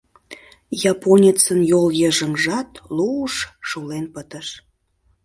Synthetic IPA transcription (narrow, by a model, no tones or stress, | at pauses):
jɑponʲet͡sənjoljəʒəmʒɑt̪luuʃʃulenpət̪əʃ